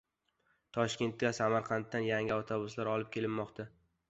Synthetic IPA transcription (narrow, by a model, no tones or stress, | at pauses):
t̪ʰɒʃkʲe̞nt̪̚ɡʲasamaɾqʰɑnt̪ːanjaŋʲɪawt̪ʰobʊslaɾɒlˠɪp̚kʲʰe̞lɪmːɒqt̪ʰa